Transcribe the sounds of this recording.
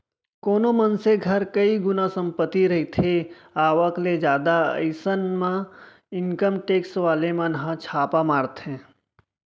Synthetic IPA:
koːnomɐnseɡʱɐɾkɐiɡʊnasə̃mpət̪ːiɾɐɦit̪ʰe | aːʋəkled͡ʒjaːd̪aə̰ɪsənmã | ɪŋkəmʈeːksʋaːlemə̃nɦãt͡ʃʰaːpamaːɾt̪ɦɛ̃ː

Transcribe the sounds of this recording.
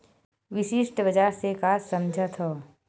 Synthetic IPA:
ʋɪʃɪʃʈbəd͡ʒaːɾsekaːzsɐmd͡ʒʱat̪ʰoː

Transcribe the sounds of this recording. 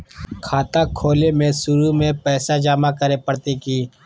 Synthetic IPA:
kʰaːt̪akʰoːlemẽsʊɾumẽpɛːsad͡ʒaːmakəɾepəɽt̪ekiː

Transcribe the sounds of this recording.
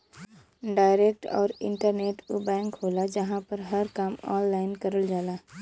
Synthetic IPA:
ɖaːɪɾeːk̚ʈɔ̰ːɾɪ̰̃ɳʈəɾneːʈʊbɛ̃ːŋkɦoːlad͡ʒəɦãpəɾɦəɾkaːmɔ̰ːnlaːɪnkəɾəld͡ʒaːlaː

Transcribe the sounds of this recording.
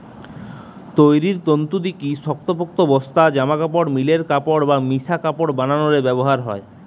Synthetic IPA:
t̪ojɾiɾt̪ont̪ud̪ikiʃɔk̚t̪opok̚t̪obɔst̪ad͡ʑamakapoɽmileɾkapoɽbamisakapoɽbananoɾebɛboɦaɾɦɔ̰e

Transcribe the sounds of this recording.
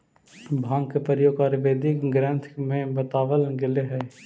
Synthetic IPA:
bʱãːŋɡkepəɾjoːɡaːɾʋeːd̪ɪkɡɾə̃nt̪ʰmẽbət̪aːʋəlɡɪleɦɛː

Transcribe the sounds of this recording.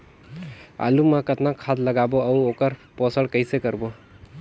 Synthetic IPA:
a̰lumãkət̪nakʰad̪ləɡaboəuokəɾpɔsəɽkəɪsekəɾbo

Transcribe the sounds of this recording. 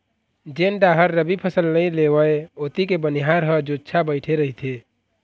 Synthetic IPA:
d͡ʒenɖaɦəɾːəbipʰəsəlnəjleʋəeot̪ikebəniɦaɾɦəd͡ʒodt͡ʃʰabəɪʈʰeɾəɦit̪ʰe

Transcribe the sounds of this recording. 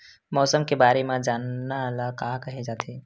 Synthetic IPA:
mɔːsəmkebaːɾemed͡ʒanːaləkakəɦed͡ʒat̪ʰi

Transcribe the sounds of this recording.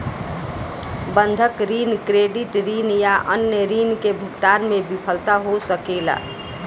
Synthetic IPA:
bənd̪ʱəkɾiːnkɾeɖiʈɾinjaʔənjəɾiːnkebʱʊkt̪aːnmẽbipʰəlt̪aɦosəkela̰

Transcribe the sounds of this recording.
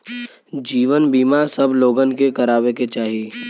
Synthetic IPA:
d͡ʒiːʋənbiːmasɐbloːɡənkekɐɾaːweket͡ʃaːɦieː

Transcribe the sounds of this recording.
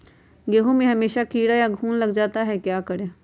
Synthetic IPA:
ɡeːɦõmẽɦɐmeːʃakiːɽajaɡʱuːnləɡd͡ʒaːt̪aɦɛkjaːkəɽeː

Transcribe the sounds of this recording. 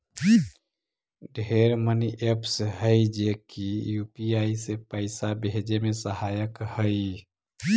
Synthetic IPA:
ɖʱeɾməniʔepʰsɦəjd͡ʒekijupiaisepəɪsabɦed͡ʒemesəhajəkhəi

